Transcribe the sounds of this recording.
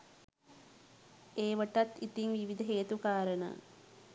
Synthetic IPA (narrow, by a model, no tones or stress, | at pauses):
eːʋəʈɐt̪it̪iŋʋiʋid̪əɦeːt̪ukaːɾənə̰